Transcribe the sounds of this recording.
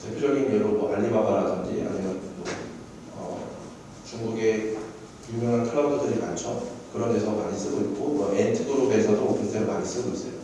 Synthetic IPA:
te̞pʰjod͡ʑʌɡinʌɾomwʌʔaʎːimaɡʌɾadʌnd͡ʑḭa̰ɲimjʌnmʌ | ʌ̰ | t͡ɕuŋɡuɡe̞ | kjumjʌŋɦankʰɯɾʌntʰʌdɯɾimant͡ɕʰʌkɯɾʌnde̞sʰʌmaɲis͈ɯɡoit̚k͈omwʌʔentʰɯɡɯɾobesʰʌdopusʰeɾomaɲis͈ɯɡois͈ʌjo

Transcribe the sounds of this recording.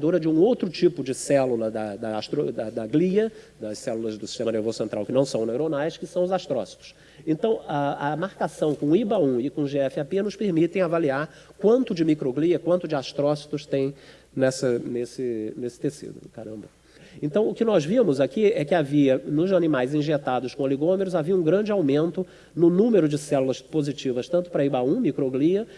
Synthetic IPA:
d̪oɾɐd͡ʒɪũowt̪ɾʊt͡ʃipʊd͡ʒɪsɛlulɐd̪ɐd̪ɐːst̪ɾod̪ɐd̪ɐɡliɐd̪ɐssɛlulɐzd̪ʊsi̥ʃt̪ẽmɐneɾvozʊsẽnt̪ɾa̰wkɪnɐ̃w̃sɐ̃w̃newɾonajskɪsɐ̃w̃ʊzast̪ɾɔsi̥t̪ʊ̥s | ẽnt̪ɐ̃w̃aɐmaɾkasɐ̃w̃kõibaũɪkõʒeɛfɪapenʊspeɾmit̪ẽj̃avaliaɾ | kwɐ̃nt̪ʊd͡ʒɪmikɾoɡliɐkwɐ̃nt̪ʊd͡ʒɪast̪ɾɔsi̥t̪ʊst̪ẽj̃ | nɛsɐnesɪnesɪ̥t̪esḭd̪ʊ̰kaɾɐ̰̃mbɐ | ẽnt̪ɐ̃w̃ʊkɪnɔzvĩmʊzakiɛkɪaviɐnʊzanimajzĩʒet̪ad̪ʊskõeliɡõmeɾʊzaviɐũɡɾɐ̃d͡ʒɪawmẽnt̪ʊ | nʊnũmeɾʊd͡ʒɪsɛlulɐspozit͡ʃivɐst̪ɐ̃nt̪ʊ̥pɾɐibaũmikɾoɡliɐ

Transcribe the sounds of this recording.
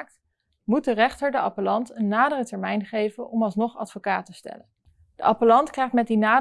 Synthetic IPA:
k̚t | mut̚dərɛχtəɹdəɑ̰pəlɑntənːaːdərətɛɹmɛjnχejvənʔɔmɑlˠsnɔχɑ̰tfokaːtəstɛ̰lən | d̥əɑpəlɑntkrɛjχtmɛt̚dinaː

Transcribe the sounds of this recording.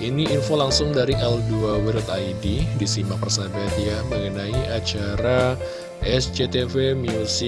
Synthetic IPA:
ʔiniːnfolaŋsʊŋdaɾiʔɛlduawiɾʊt̪ajdidisimapərsabat̪ijaməŋənaiʔat͡ʃaɾa | ʔɛsd͡ʒet̪efemiusɪ

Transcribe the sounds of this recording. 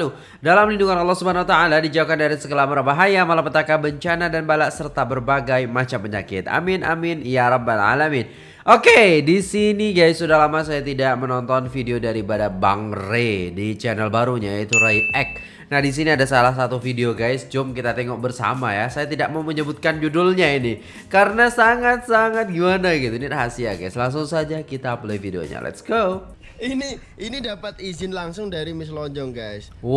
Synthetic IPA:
lu | dalamlinduŋanɑlːɑhsubaanawat̪aaladid͡ʒaukandaɾisəɡəlaməɾabaɦajamalapət̪akabəɲt͡ʃanadanbalaʔsərt̪abərbaɡajmat͡ʃampəɲakɪt̪a̰mɪnʔa̰mɪnijaɾabala̰lamɪn | ʔokedisiniɡajsudahlamasajat̪idaʔ̚mənɔnt̪ɔnfideodaɾipadaba̰ŋredit͡ʃɛnɛlbaɾuɲajait̪uɾajʔɛk̚ | nahdis̬iniadasalahsat̪ufideoɡajsd͡ʒʊmkit̪at̪ɛŋɔk̚bərsa̰majasajat̪idaʔ̚maməɲəbut̪̚kand͡ʒudʊlɲaini | kaɾənasaŋat̪̚saŋat̪̚ɡimanaɡit̪unirəɦasiaɡajslaŋsʊŋsad͡ʒakit̪aplɛifideo̰ɲa̰lʔɛ̰t̪sɡo | ini | inidapat̪̚izɪnlaŋsʊŋdaɾimɪs̬lɔɲd͡ʒɔŋɡajs

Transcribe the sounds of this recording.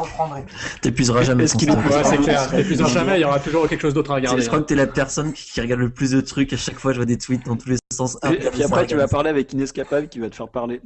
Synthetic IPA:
pɑ̃ɛ | t̪epɥyzʁaʒamɛɛskilepywɛsɛklɛʁepyzʁaʒamɛljɔʁat̪uʒuʁkʲɛlkʃozd̪ot̪χaʁəɡaʁdʒəkkχwakət̪yɛlapɛʁsɔnkʲiʁəɡaʁd̪ləplys̬d̪ət̪χykaʃakfwaʒəvwad̪et̪wit̪̚d̪ɑ̃t̪ulesɑ̃saɛpiapχɛt̪yvapaʁleavɛkinɛskapabkʲivat̪ə̥fɛʁpaʁle

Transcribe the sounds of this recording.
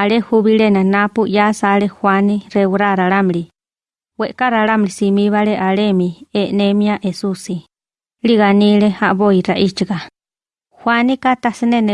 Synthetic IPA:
alehuβiɾenanapujasaɾehwanirewɾaɾaɾamɾi | weʔkaɾaɾamɾisimiβaleʔalemienemiaʔesusi | liɣanileaβoiɾaʔit͡ʃiɡa | hwanikat̪asinene

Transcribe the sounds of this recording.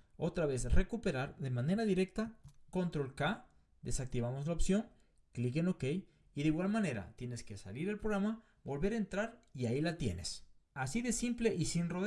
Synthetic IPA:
o̞t̪ɾaβe̞sre̞kupe̞ɾaɾðe̞mane̞ɾaðiɾe̞k̚t̪ako̞nt̪ɾolka | d̪e̞sak̚t̪iβamozlaopsjo̞ŋ | klik̬eno̞ke̞j | iðeiɣwalmane̞ɾa̰t̪je̞ne̞ske̞sa̰liɾelpɾoɣɾama | bo̞lβe̞ɾaent̪ɾaɾiailat̪je̞̰ne̞sasiðesimple̞ʔisinroð

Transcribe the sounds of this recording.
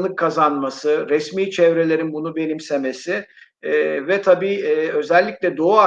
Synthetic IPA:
nˠɯkʰːazanmasɯɾɛsmiːt͡ʃʰɛvɾe̞lʲe̞ɾinbunube̞nʲimseme̞sɪ | vɛt̪ʰabiːø̞zɛlʲːiclʲɛd̪o̞ua

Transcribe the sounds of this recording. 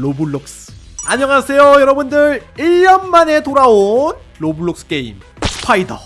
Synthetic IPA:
lobuɭːok̚s͈aɲʌŋasʰe̞jojʌɾʌbundɯɾiɭjʌnmane̞toɾaon | lobuɭːok̚s͈ɯ̥ke̞ḭm | pʰaidʌ

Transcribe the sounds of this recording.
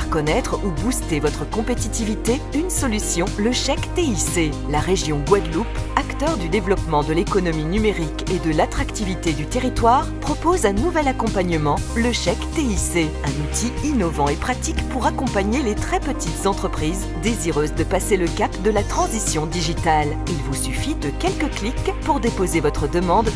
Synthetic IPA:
ʁkɔnɛt̪χubust̪evɔt̪χəkɔ̃pet̪it̪ivit̪e | ynsɔlysjɔ̃ləʃɛkt̪eise | laʁeʒjɔ̃ɡwad̪lupakt̪œʁd̪yd̪evlɔpmɑ̃d̪əlekɔnɔminymeʁiked̪əlat̪χakt̪ivit̪ed̪yt̪eʁit̪waːʁpχɔpozɛ̃nuvɛlakɔ̃paɲəmɑ̃ləʃɛkt̪eise | ɛ̃nut̪ʰiinɔvɑ̃epχat̪ikpuʁakɔ̃paɲelet̪χɛpət̪it̪zɑ̃t̪χəpχiz | d̪eziʁøzd̪əpaseləkapd̪əlat̪χɑ̃zisjɔ̃d̪iʒit̪al | ilvusyfid̪əkʲɛlkəklikpuʁd̪epozevɔt̪χəd̪əmɑ̃d̪

